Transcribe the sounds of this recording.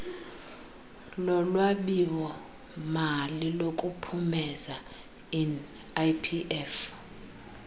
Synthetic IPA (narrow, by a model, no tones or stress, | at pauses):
lɔlwaɓiwɔ | malilokʼupʰumɛza | in | ajpʰiʔɛf